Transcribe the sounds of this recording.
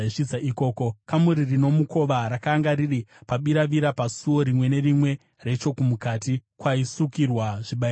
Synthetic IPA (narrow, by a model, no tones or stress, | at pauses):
ʂid͡zaʔiko̞ːko̞kamuɾirino̞muko̞ʋaɾakaːŋɡaɾiripaɓiɾaʋiɾapasuwo̞ɾimwe̞ne̞rimwe̞ | re̞t͡ʃo̞kumukatikwaisukirwaʐiɓai